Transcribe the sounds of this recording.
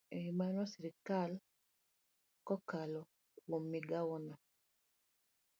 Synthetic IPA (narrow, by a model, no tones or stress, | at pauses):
eimanɔsiɾikal | kɔkalɔ | kwomːiɡaɔna